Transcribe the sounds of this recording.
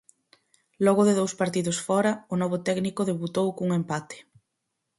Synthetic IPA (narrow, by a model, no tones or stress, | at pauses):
lɔɣ̞ʊðeðowspaɾt̪iðʊsfɔɾɐʊnɔβʊt̪ɛknikʊðeβut̪owkuŋempat̪e̥